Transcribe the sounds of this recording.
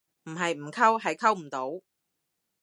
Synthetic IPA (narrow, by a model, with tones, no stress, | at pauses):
m̩˨˩ɦɐ˨jm̩˨˩kʰɐ˥wɦɐ˨jkʰɐ˥wm̩˨˩t̪o˨˥w